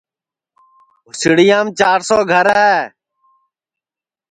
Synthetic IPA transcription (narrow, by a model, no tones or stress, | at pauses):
ʊsɪɽɪjãːmt͡ʃaːɾsoːɡʱəɾɛː